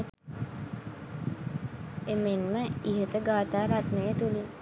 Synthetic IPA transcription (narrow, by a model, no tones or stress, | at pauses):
emenməiɦət̪əɡaːt̪aːɾat̪nəjət̪uli